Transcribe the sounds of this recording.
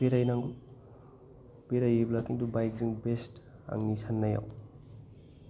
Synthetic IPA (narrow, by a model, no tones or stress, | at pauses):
beɾajnaŋ | beɾajeblakiŋdubajk̚ziŋbesta̰ŋnisʰanːaja̰w